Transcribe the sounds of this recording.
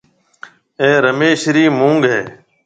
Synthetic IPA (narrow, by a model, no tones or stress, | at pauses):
ẽːɾəmeːʃɾiːmũːŋɡɦeː